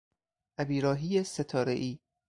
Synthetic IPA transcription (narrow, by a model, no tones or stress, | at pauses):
ʔæbiːɾɒːɦiːjeset̪ʰɒːɾḛʔiː